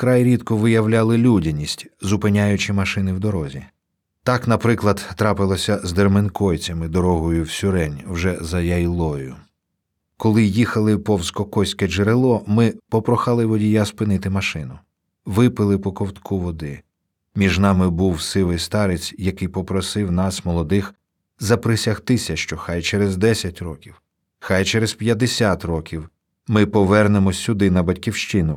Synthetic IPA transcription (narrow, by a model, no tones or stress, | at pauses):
kɾɑjɾʲid̪kɔʋɪjɐwlʲɑlˠɪlʲudʲɐnʲisʲtʲzʊpɪnʲajʊt͡ʃɪmɐʃɪnɪwd̪ɔɾɔzʲi | t̪ɑknɐpɾɪklˠɐd̪t̪ːɾɑpɪlˠɔsʲɐzd̪ermenkɔjt͡sʲɐmɪd̪ɔɾɔɦɔjʊwsʲʊɾɛnʲwʒɛzɐjɐjlˠɔjʊ | kɔlˠɪjixɐlˠɪpɔwskɔkɔsʲkɛd͡ʒeɾelˠɔmɪpɔpɾɔxɑlˠɪʋɔdʲijaspɪnɪt̪ɪmɐʃɪnʊ | ʋɪpɪlˠɪpɔkɔwt̪kʰuʋɔd̪ɪ | mʲiʒnɑmɪbuwsɪʋɪjst̪ɑɾet͡sʲjɐkɪjpɔpɾɔsɪwn̪ɑsmɔlˠɔd̪ɪx | zɐpɾɪsʲɐxt̪ɪsʲɐʃt͡ʃɔxɑjt͡ʃɛɾezd̪ɛsʲɐtʲɾɔkʲiw | xɑjt͡ʃɛɾezpʲjɐd̪esʲat̪rɔkʲiw | mɪpɔʋɛrnemɔsʲːʊd̪ɪnɐbɐtʲkʲiwʃt͡ʃɪnʊ